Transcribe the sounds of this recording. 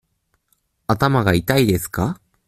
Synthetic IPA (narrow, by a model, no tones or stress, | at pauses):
at̪amaɡait̪aid̪e̞sɨ̥ka